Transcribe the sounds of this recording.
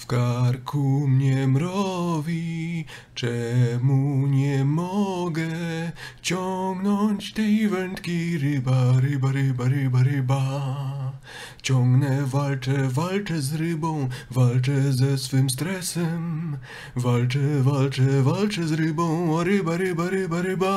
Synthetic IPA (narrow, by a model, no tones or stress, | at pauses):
fkaɾkʰumɲɛmɾɔvʲi | t͡ʂɛmuɲɛmɔɡɛ | t͡ɕɔŋɡnɔɲt͡ɕt̪ɛjvɛnt̪kʲiɾɪbaɾɪbaɾɪbaɾɪbaɾɪba | t͡ɕɔ̃ŋɡnɛvalt͡ʂɛvalt͡ʂɛzɾɘbɔ̃w̃valt͡ʂɛzɛsfɘmst̪ɾɛsɛm | valt͡ʂɛvalt͡ʂɛvalt͡ʂɛzɾɪbɔ̃w̃ɔɾɪbaɾɪbaɾɪbaɾɪba